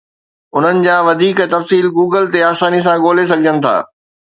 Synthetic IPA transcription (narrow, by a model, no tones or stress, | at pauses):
ʊn̤ənɪ̆d͡ʑaːʋɐd̪ʱiːkt̪ɐfsiːlɡuːɡəlt̪eaːsaːnis̬ãɡoːles̬ɐɡʱd͡ʑənɪ̆t̪ʰa̰ː